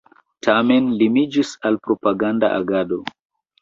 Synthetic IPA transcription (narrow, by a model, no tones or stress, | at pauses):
tʰame̞nlimid͡ʒisalpɾo̞paɡanda̰ʔa̰ɡado̞